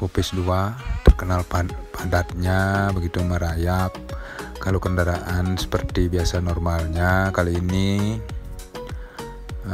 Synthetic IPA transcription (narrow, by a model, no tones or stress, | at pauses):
pupɪsduat̪ərkənalpapadat̪̚ɲabəɡit̪uməɾajap̚ | kalokəndaɾaʔansə̥pərt̪ibiasanɔrmalɲakaliini